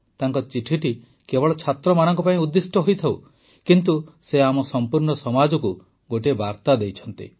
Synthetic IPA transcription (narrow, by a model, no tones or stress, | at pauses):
t̪aŋkɔt͡ʃiʈʰiʈi | kebɔɭɔt͡ʃʰat̪ɾɔmañɔŋkɔpaĩud̪ːisʈɔɦojt̪ʰaw | kint̪useamɔsɔmpuɾɳɔsɔmad͡ʒɔku | ɡoʈebaɾt̪ad̪ejt͡ʃʰɔnt̪ḭ